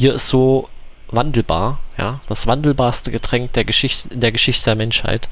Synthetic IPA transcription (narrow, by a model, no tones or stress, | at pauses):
hiːɐɪstz̥oː | vandl̩ba̰ːɐja̰ːd̥asv̥andl̩baːɐstəɡətʁ̥ɛŋk̚d̥eːɐɡəʃɪçtəd̥eːɐɡəʃɪçtədeːɐmɛnʃha̰ɪt